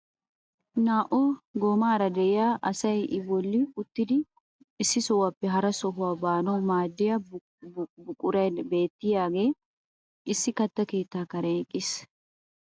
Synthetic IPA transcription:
naːʔoːɡoːmaːɾɐd̪ɛjaːʔɐsɐjʔɪbɔlːikʊt̪ːɪd̪ɪ | ɪsːɪsɔwɐpːɛɦɐɾɐsɔɦʊɐbaːnomaːd̪ːɪjɐ | bʊkʼʊɾɐbe̞ːt̪ːɪjaːɡeː | ɪsːɪkɐt̪ːɐke̞ːt̪ːaːkɐɾɐkʼɪs

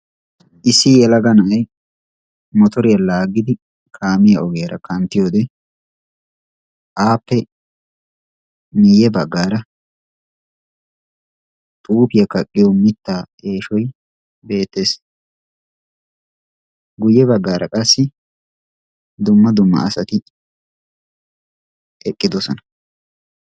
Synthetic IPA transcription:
ʔɪsːɪjɛlɐɡɐnɐɐj | mɔt̪ɔɾɪjɐlaːɡɪd̪ɪ | kʰaːmɪjɐʔɔɡejɐɾɐ̰kʰɐnt̪ːɪjoːd̪ɛ | ʔaːpːɛ | nɪjɛbɐɡːaːɾɐ | t̪ʼuːpɪjɐkɐkʼːɪjɔmɪt̪ːaː | e̞ːʃɔj | be̞ːt̪ːeːs | ɡʊjːɛbɐɡːaːɾʔɐkʼɐsːɪ | d̪ʊmːɐd̪ʊmːɐ̰ːsɐt̪ɪ | ɛkʼːɪd̪ɔsɔnɐ

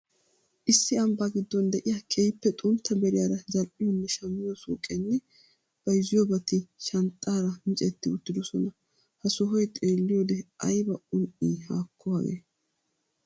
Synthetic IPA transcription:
ʔɪsːɪɐmbaːɡɪd̪ːɔnd̪ɛʔɪjaːkʰʼejpːɛt̪ʼʊnt̪ʰːɐbɛɾɪjaːɾɐzɐlʔɪjonːɛʃɐmːɪjosṵːkʼːenːɛ | b̥ɐjɪzɪjobɐt̪ɪʃɐnt̪ʼːaːɾɐmɪt͡ʃʼɛt̪ːɪʊt̪ːɪd̪ɔsɔnɐ | hɐsɔɦɔjt̪ʼe̞ːlːɪjod̪ɛʔɐjbɐʊnʔiːha̰ːkʰːɔwaɡḛː

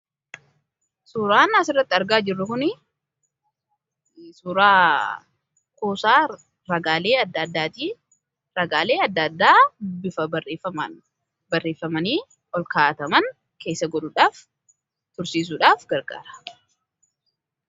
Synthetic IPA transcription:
suːɾaːnɐsɪrːɐt̪ːɪɐɾɡaːd͡ʒɪrːʊkʊnɪ | suːɾaː | koːsaː | ɾɐɡaːle̞ːɐd̪ːad̪ːaːt̪iː | ɾɐɡaːleːɐd̪ːɐd̪ːaːbɪfɐbɐeːfɐmɐ | bɐrːe̞ːfːɐmɐniː | ɔlkaːt̪ɐmɐn | ke̞ːsːɐɡɔᶑuːᶑaːf | t̪ʊɾsiːs̬uːᶑaːfɡɐɾɡa̰ːɾɐ̥

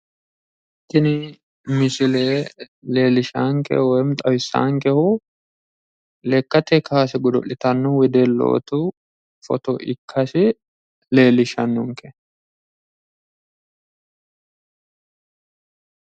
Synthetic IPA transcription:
t̪ːɪnɪ | mɪsɪleː | le̞ːlɪʃaːŋkɛ̰wɔjmt̪ʼɐwɪsːa̰ːŋkɛhʊ | lɛkːɐt̪ɛkaːsɪɡʊd̪ɔ̰ʔɪt̪ɐnːɔwɪd̪eːlːo̰ːt̪ʊ | fɔ̰t̪ɔʔɪkʰːɐsɪ | le̞ːlɪʃɐnːʊŋkɛ

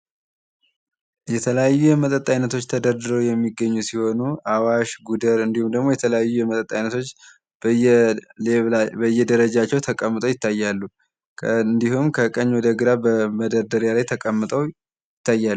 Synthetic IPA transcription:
jɛt̪ʰələjajːujɛmət̪ʼət̪ʼːajnət̪ʰo̞t͡ʃːt̪ʰəd̪əɾd̪ɨɾowjɛmːiɡːəɲːusiho̞nuʔawaʃɡud̪əɾɨnd̪ihumd̪əɡmo̞jɛt̪ʰələjajːujɛmət̪ʼət̪ʼːajnət̪ʰo̞t͡ʃː | leβbəjːɛd̪əɾəd͡ʒat͡ʃːɛwt̪ʰəkʼəmːɨt̪ʼəwjɪt̪ːajːalːu | ɨnd̪ihumkʰəkʼəɲːwɔd̪əɡɨɾabəməd̪əɾd̪əɾjalajt̪ʰəkʼəmːɨt̪ʼəw | jɪt̪ʰːajːalːu

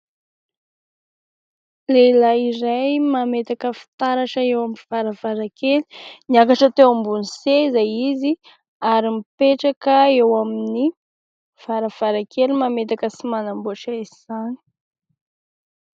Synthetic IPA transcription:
lelaiɾajmamet̪akəfi̥t̪aɾaʃəewamivaɾavaɾakeli̥niakaʈ͡ʂət̪ewambunisezajizi | aɾimipeʈ͡ʂakəewamini | v̥aɾəv̥aɾakelimamet̪akəsimanambuaʈ͡ʂaiz̥ani̥

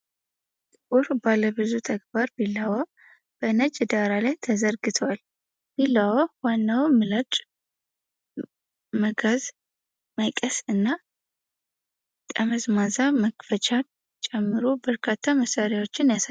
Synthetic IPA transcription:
t̪ʼɨkʼuɾbalːəbɨzut̪ʰəɡ̚baɾbilːawa | b̥ənət͡ʃʼːd̪aɾalajt̪ʰəzəɾɡɨt̪ʰwal | b̥ilːawawanːawmɨlat͡ʃʼ | məɡaz | məkʼəsɨnːa | t̪ʼəməzmazaməkfət͡ʃʰʼa | t͡ʃʼɛmːɨɾobəɾkʰat̪ʰːaməsaɾjawo̞t͡ʃːɪnjasa

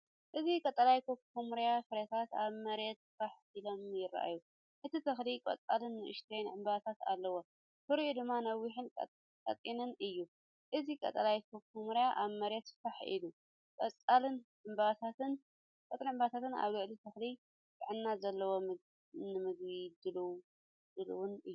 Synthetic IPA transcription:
ʔɨzikʼɐt̪ʼɐlajkʰokʰːumɾjafɨɾɐt̪ʰat̪aβmɐɾet̪faħ | ilo̞mjɪɾa̰ʔa̰ju | ʔɨt̪ʰit̪ʰɐxlikʼɐ̰t͡sʼalɨnːɨʔɨ̰ʃt̪ʰɾenʕɨmbaβt̪ʰat̪a̰lːɐwo | fɨɾud̪ɨmːanɐwːiħɨn | kʼɐ̰t̪ʼinɨnɨjːu | ʔɨzikʼɐ̰t̪ʼɐlajt̪ʰɐkʰːumɨɾjaʔaβmɐɾjɛt̪faħʔḭlu | kʼɐt͡sʼalɨnʕɨmbaβat̪ʰat̪ɨn | kʼɐt̪ʼniʕɨmbat̪ʰat̪ɨna̰βlɨʕlit̪ʰɐxli | baʕɨnːazɐlːɐwo | nɨmɨɡβid̪ɨlw | d̪̥ɨluwʊnɨjːu

